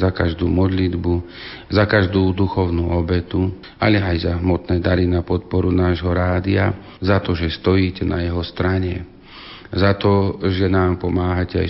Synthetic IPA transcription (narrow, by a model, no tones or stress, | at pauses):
zakaʒd̪uːmɔd̪lid̪bu | zakaʒd̪uːd̪uxɔʊnuːɔbɛt̪u | alɛajzaɦmɔt̪nɛːd̪aɾinapɔt̪̚pɔɾunaːʒɦɔɾaːd̪ia | zat̪ɔʒɛst̪ɔjiːcɛnajɛɦɔst̪ɾaɲɛ | zat̪ɔʒɛnaːmpɔmaːɦacɛa̰